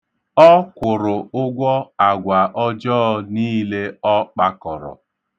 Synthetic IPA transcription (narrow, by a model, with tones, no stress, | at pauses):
ɔ˦kʷʊ˨ɾʊ˨ʊ˦ɡʷɔ˦a˨ɡʷa˨ʔɔ˦d͡ʒɔː˦niː˦le˦ɔ˦k͡pa˦kɔ˨ɾɔ̰˨